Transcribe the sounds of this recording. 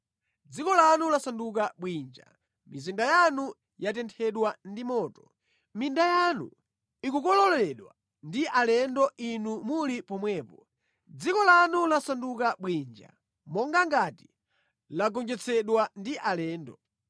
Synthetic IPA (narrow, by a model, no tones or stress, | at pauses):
d͡zikɔlanulasandukaɓwind͡ʒa̰ | mizindajanu | jatɛntʰɛɗwandimɔːtɔ̥ | mindajanṵ | ikukɔlɔlɛɗwa̰ | ndiʔalɛndɔʔinumulipɔmwɛːpɔ | d͡zikɔlanulasandukaɓwind͡ʒa̰ | mɔŋɡaŋɡati̥ | laɡɔnd͡ʒɛt͡sʰɛɗwandiʔalɛːndɔ